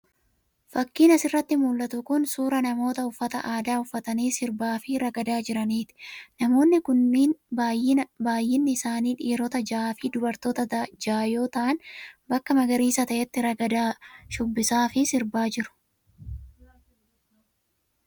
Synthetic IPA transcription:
fɐkːiːnɐsɪrːɐt̪ːɪmuːlːɐt̪ʊkʊnsuːɾɐnɐmo̞ːt̪ɐʊfːɐt̪ɐʔaːd̪aːʊfːɐt̪ɐniːsɪɾbaːfɪɾɐɡɐd̪aːd͡ʒɪɾɐniːt̪ɪ̥nɐmo̞ːnːɪkʊnːiːnbaːjːɪnɐbaːjːɪnːɪɪsaːniːᶑiːɾɔt̪ɐd͡ʒaːfɪd̪ʊbɐɾt̪oːt̪ɐd͡ʒaːjo̞ːt̪ɐʔɐnbɐkːɐmɐɡɐɾiːsɐt̪ɐʔɛt̪ːɪɾɐɡɐd̪aːʃʊbːɪsaːfɪsɪɾbaːd͡ʒɪɾʊ̥

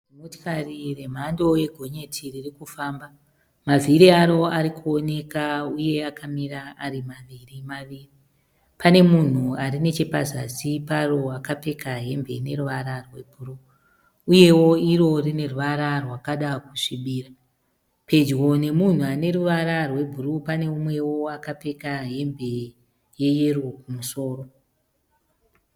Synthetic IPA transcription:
motkarire̞m̤ando̞je̞ɡʱo̞ɲe̞tʰiririkufaːmba | maviɾiaɾo̞aɾikʰuo̞ne̞kauje̞akamiɾaaɾimaʋirimaʋiːri | pane̞mun̤uaɾine̞t͡ʃepazasiparo̞akape̞kaɦembe̞ne̞ruʋaɾarwe̞bʱuru | uje̞wo̞iɾo̞rine̞ruʋaɾarwakaɗakuʂiɓiːra | pe̞d͡ʒwo̞ne̞mun̤uane̞ɾuʋaɾarwe̞bʱurupane̞umwe̞wo̞akape̞kaɦe̞mbʱe̞ | je̞je̞rokumuso̞ːro

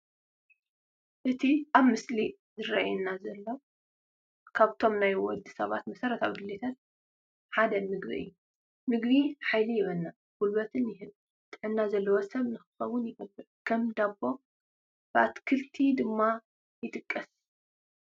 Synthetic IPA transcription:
ʔɨt̪ʰiʔaβmɨsli | zɨɾa̰jɛnːazɐlːo | kʰaβt̪ʰo̞mnajwɔld̪ɨsɐβat̪mɐsɐɾɐt̪aβɡɨlet̪ʰɐt̪ | ħad̪ɐmɨɡbiɨ̰jːu | mɨɡβiħajlijɪβɐnːa | ɡ̥ulbɐt̪ʰɨnjɪɦɨn | t̪ʼɨħɨnːazɐlːɐwosɐβnɨxɨ̥xɐβʊnjɪɡɐbːɨʕkʰɐmd̪abːo̞ | b̥ɨʔat̪kʰɨlt̪ʰid̪ɨmːa | jɨt̪ʼɨkʼːɐs

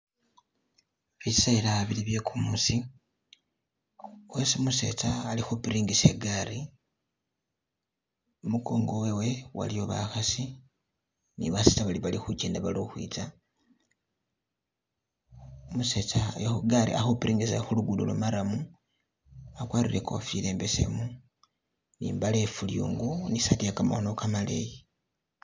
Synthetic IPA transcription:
βisailaβiliβjekʰumusi | wesimuse̞̰t͡saːlixopiɾiːŋɡiseɡaɾi | omukoːŋɡo̞wewe̞wa̰lijo̞βa̰xasi | nḭβaset͡saβaliβalixuceːndaβaloxwḭːt͡sa | muset͡sajaxuɡaɾḭa̰xopiɾʔiːŋɡisexuluɡulṵlomaɾamu | akwaːɾiɾe̞kofile̞ːmbese̞̰mu | nḭːmbalefuljṵːŋɡunisatiakama̰hono̞kamalḛji

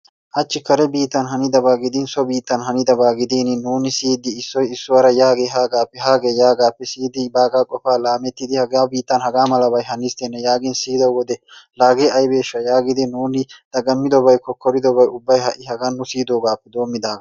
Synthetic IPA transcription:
ʔɐt͡ʃːɪkɐɾɛbiːt̪ːɐnɦɐnɪd̪ɐbaːɡɪd̪ɪnsɔbiːt̪ːɐnɦɐnɪd̪ɐbaːɡɪd̪inɪnuːnɪsiːd̪ɪːsːɔjɪsːʊɐɾɐjaːɡeːɦaːɡaːpːɛɦaːɡeːjaːɡaːpːɛsiːd̪ɪbaːɡaːkʼɔfaːlaːmɛt̪ːɪd̪ɪhɐɡaːbiːt̪ːɐnhɐɡaːmɐlɐbɐjɦɐnːɪst̪ɛnːɛjaːɡɪnsiːd̪ɐwɔd̪ɛlaːɡeɐjbe̞ːʃːɐjaːɡɪd̪ɪnuːnɪd̪̥ɐɡɐmːɪd̪ɔbɐjkɔkːɔɾɪd̪ɔbɐjʊbːɐjɦɐʔɪɦɐɡɐnːʊsiːd̪oːɡaːpːɛd̪o̞ːmːɪd̪aːɡɐ

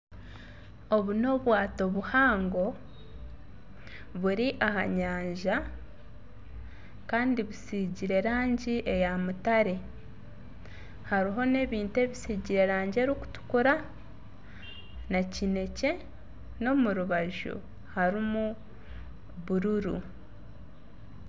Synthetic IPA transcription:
o̞βuno̞βwaːto̞βuhaːŋɡo̞ | βuɾiʔaha̰ɲaːɲʒa | kaːndiβusiɟiɾe̞ɾaːɲɟiʔe̞jamutaɾe̞ | haɾiɦo̞ne̞ːβiːnte̞ːβisiːɟiɾe̞ɾaːɲɟeɾiku̥tu̥kuɾa | nacine̞ce̞ | no̞muɾuβaʒṵ | haɾimu | βuɾuɾṵ

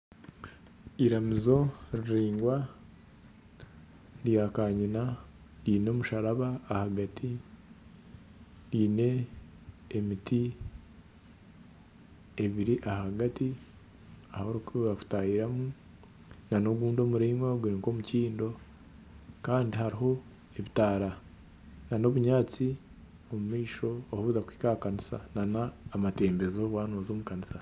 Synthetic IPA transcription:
iɾamizo̞ɾiɾiːŋɡwa | djakaːɲina | iːno̞muʃaɾaβaːhaɡatʰi | iːne̞ː | mitʰi | eβiɾiʔahaɡati | ahoɾukiɡaku̥taːjiɾamu | nanoɡuːndo̞muɾeːmwaɡuɾiːŋko̞muciːndo̞ | kaːndihaɾiɦo̞ | e̞βitaːɾa | nano̞βuɲaːt͡si | o̞mumiːʃo̞ːhuzakwi̥ːkakanisa̰nanaːmate̞ːmbe̞zoβwaːnoːzoːmukanisa

